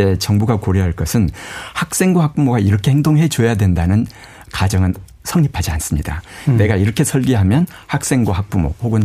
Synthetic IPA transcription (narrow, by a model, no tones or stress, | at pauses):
e̞t͡ɕʌŋbuɡakoɾjiɦaɭk͈ʌsʰɯnhak̚s͈e̞ŋɡwohak̚p͈umoɡaiɾʌkʰe̞heŋdoŋɦe̞t͡ɕojadwe̞ndanɯn | kad͡ʑʌŋɯn | sʰʌŋɲipʰad͡ʑians͈ɯmɲidane̞ɡaiɾʌkʰe̞sʰʌɭɡiɦamjʌn | hak̚s͈e̞ŋɡwaɦak̚p͈umo̰poɡɯn